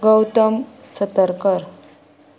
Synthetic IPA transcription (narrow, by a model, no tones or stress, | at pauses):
ɡəwt̪əm | sət̪əɾkəɾ